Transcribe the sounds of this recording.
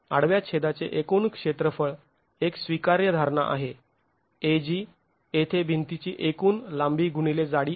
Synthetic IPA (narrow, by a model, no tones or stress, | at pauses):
a̰ɽʋjat͡ɕʰed̪at͡sḛʔekunkʂet̪ɾəfəɭ | eksʋikaɾjəd̪ʱaɾna̰ʔa̰ɦe | ed͡ʑiː | et̪ʰebʱint̪it͡ɕiːʔekuːnlambiːɡʱuɳ̃iled͡zaɽiː